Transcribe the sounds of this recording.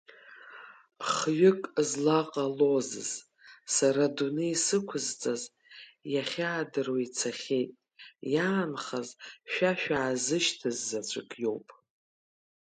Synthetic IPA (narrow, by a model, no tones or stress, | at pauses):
χɥʏkʼzlaqʼalo̞zɨ̰z̥ | saɾadunɨisɨkʷʰʊzt͡sʼaz | jaχʲaːdɨrwait͡sʰaχʲetʼ | jaːnχazʃᶣaʃᶣaːzɨʃtʰɨzːat͡ɕʷʰʼɨkʼjo̞wpʼ